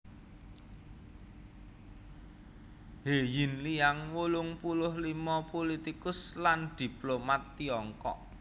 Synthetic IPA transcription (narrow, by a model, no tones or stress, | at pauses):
hejɪnlijaŋwulʊŋpulʊhlimɔpolit̪ikʊsland̪̥i̤plomat̪ːiɔŋkɔ̰ʔ